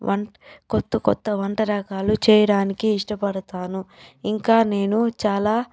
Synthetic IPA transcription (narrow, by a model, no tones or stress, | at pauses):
ʋɐɳkɔt̪ːɐkɔ̰t̪ːɐʋɐɳʈɐɾɐkaːlut͡ʃɛːjɐɽaːnikiːʂʈɐpɐɽɐt̪aːnuiŋkaːne̞ːnut͡ʃaːlaː